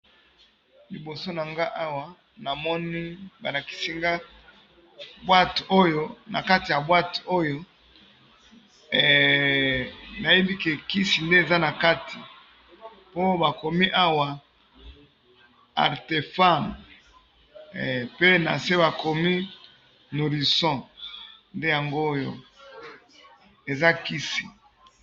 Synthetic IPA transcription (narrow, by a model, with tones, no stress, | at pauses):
li˨bo˨so˦na˨ŋɡa˦ʔa˦wa˨ | na˨mɔ˦ni˦ba˨na˨ki̥˨si˦ŋɡa˦ | bwa˦to˦jo˦na̰˨ka˦ti˨ja˨bwa˦to˦jo˦˨ | na˨je˦bi˦ke˨ki˦si˨nde˦e˨za˦na˨ka˦tʰi˨ | po˦ba˨ko˨mi˦ʔa˦wa˨ | a̰˨ʁte˨fa˦˨m | pe˦na̰˨se˦ba˨ko˨mi˦ | no˨li˨sɔ̃˦ | nde˦ja˨ŋɡo˦jo̰˦ | e˨za˦ki˦si˨